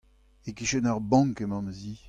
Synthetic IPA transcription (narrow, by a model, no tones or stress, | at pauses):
ekiʃɛnaʁbɑ̃ŋkemɑ̃mzi